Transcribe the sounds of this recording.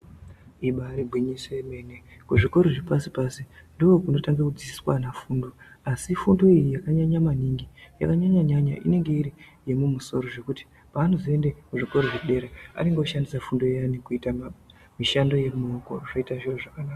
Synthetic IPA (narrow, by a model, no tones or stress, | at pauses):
iɓaːɾibʱwiɲiseme̞ne | kuʐikoɾoʐipasipasindoːkuno̞taŋɡakud͡zisi̥swanafuːndo̞asifundo̞ijijakaɲaɲamaniŋɡija̰kaɲaɲaɲaɲaʔḭne̞ŋɡe̞iɾije̞mumuso̞̰ɾo̞ʐe̞kuti̥ | paːnoze̞ndekuʐiko̞ɾoʐiɗe̞ɾea̰ɾiŋɡouʃandisafundo̞anikuita | miʃando̞je̞muokoʐoitaʐiroʐakanaːka